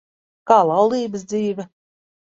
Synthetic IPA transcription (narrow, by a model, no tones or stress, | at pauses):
kaːlˠawliːbəsd̪ziːvʲɛ